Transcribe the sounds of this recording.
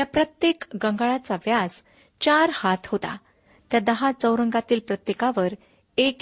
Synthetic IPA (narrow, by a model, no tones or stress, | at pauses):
japɾət̪jekɡəŋɡaɭat͡saʋjas | t͡ɕaɾhat̪ʰɦot̪a̰ | t̪jad̪əɦat͡səwɾəŋɡat̪iːlpɾət̪jekaʋəɾ | ek